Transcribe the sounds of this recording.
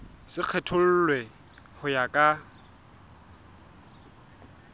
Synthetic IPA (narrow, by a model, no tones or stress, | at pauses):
sɪq͡χʰɛtʰʊl̩lwɛ | hʊjakʼa